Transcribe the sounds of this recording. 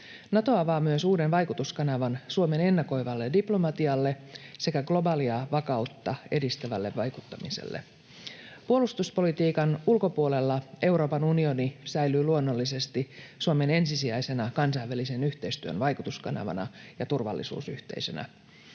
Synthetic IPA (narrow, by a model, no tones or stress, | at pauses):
nɑt̪o̞ɑʋɑːmyøsuːde̞nʋɑjkut̪uskɑnɑʋɑnsuome̞ne̞nːɑko̞jʋɑlːediplo̞mɑt̪iɑlːe̞se̞kæɡlo̞bɑːliɑʋɑkɑut̪ːɑe̞dist̪æʋælːe̞ʋʋɑjkut̪ːɑmise̞̰lːḛ | puolust̪uspo̞lit̪iːkɑnulko̞puole̞lːɑe̞wɾo̞ːpɑnunio̞nisæjlyːluonːo̞lːise̞st̪isuome̞ne̞nsisiæjse̞nɑkɑnsɑjʋːælise̞nyht̪e̞ist̪yø̰nʋɑjkut̪uskɑ̰nɑ̰ʋɑ̰nɑ̰jɑt̪urʋɑ̰lːḭsṵːsy̰ht̪ḛisø̞̰næ̰